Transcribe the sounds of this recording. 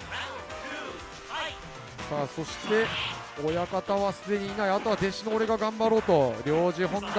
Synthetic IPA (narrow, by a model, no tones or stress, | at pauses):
saːso̞ɕi̥t̪e̞ | ojakat̪aβasɨd̪e̞ɲ̟iːnaiat̪o̞βad̪e̞ɕinoːɾe̞ɡaɡãmbaɾo̞ːt̪o̞ɾʲo̞ːʑiɦõ̞nd̪